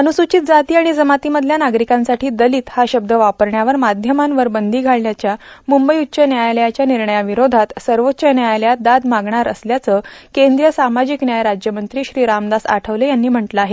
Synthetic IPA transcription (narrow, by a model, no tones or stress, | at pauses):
ənusut͡ɕiːt̪̚d͡zat̪iːaɽ̃id͡zəmat̪iːməd̪ʱljanaɡɾikãnsaʈʰiːd̪əliːt̪haɕəb̚d̪əʋapəɾɳjaʋəɾmad̪ʱjəmanʋəɾbənd̪ʱiːɡʱaɭljat͡ɕjamumbəjutːɕənjajljat͡ɕjaniɾɳəjaʋiɾod̪ʱat̪səɾʋot̪ːɕənjajljad̪ad̪maɡɳaɾə̰sljat͡səːkend̪ɾijəsamad͡ʑiknjajɾad͡ʑjəmənt̪ɾiːɕɾiːɾamd̪asa̰ʈʰəʋləjanːiːm̤əɳʈləaɦe